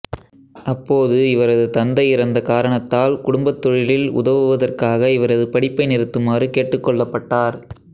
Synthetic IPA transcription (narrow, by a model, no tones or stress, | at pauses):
ʔɐpːoːðɯɪʋɐɾɐðɯt̪ɐnd̪ɐɪɪɾɐnd̪ɐkaːɾɐɳɐt̪ːaːlkʊɽʊmbɐt̪ːɔɻɪlɪlʊ̰ðɐʋɯʋɐðɐrkaːɣɐɪʋɐɾɐðɯpɐɽɪpːɐɪnɪɾɯt̪ːɯmaːrɯkeːʈːɯkːɔɭːɐpːɐʈːaːɾ